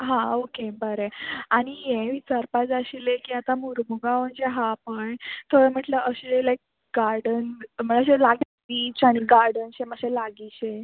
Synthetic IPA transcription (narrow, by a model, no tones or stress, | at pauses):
ɦãokebəɾeaɽ̃ijẽʋit͡ɕaɾpat͡saɕilekiːat̪amuɾmuɡaʋənd͡ʑeɦapəjt̪ʰoɽəm̤əʈləʔəɕelajk̚ | ɡaɾɖənm̤ənaəɕelaɡi | biːt͡ɕaɽ̃iɡaɾɖənɕeməɕelaɡiɕe